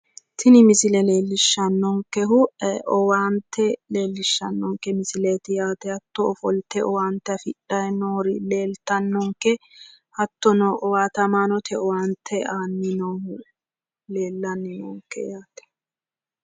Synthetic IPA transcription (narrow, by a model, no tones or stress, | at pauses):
t̪ʰɪnɪmɪsɪlɛle̞ːlːɪʃːɐnːɔŋkːɛɦʊʔɛɔwaːnt̪ːɛle̞ːlːɪʃːɐ̰nːɔŋkːɛmɪsɪleːt̪ɪjaːt̪ɛhɐt̪ːɔɔfɔlt̪ɛɔwaːnt̪ːɛɐfɪᶑːɐjnoːɾɪle̞ːlt̪ɐnːɔŋkːɛ | hɐt̪ːɔnɔʔɔwaːt̪ɐmaːnɔt̪ʰɛɔwaːnt̪ʰːɛaːnːɪnɔ | le̞ːlːɐnːɪnɔ̰ŋkːɛ̰jaːt̪ɛ̥